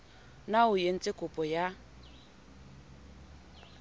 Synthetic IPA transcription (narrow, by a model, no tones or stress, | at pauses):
naʊjen̩t͡sʼɪkʼʊpʼɔja